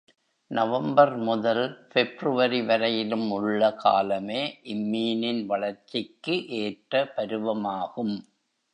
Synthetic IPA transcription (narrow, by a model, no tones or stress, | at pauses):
nɐʋɐmbɐɾmʊðɐlfɛbrɯʋɐɾiʋɐɾɐjɪlɯmʊɭːɐka̰ːlɐmeːʔɪmːiːnɪnʋɐɭɐɾt͡ʃːɪkːɯʔeːʈɾɐpɐɾɯʋɐmaːɣɯm